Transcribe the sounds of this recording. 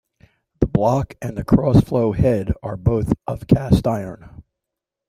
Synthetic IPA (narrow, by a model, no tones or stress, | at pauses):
ðəblɑkɨ̃nðɨkʰɹ̥ɔsfloʊhɛɾə˞boʊθʔʌv̥kʰæstaɪə̰̃˞n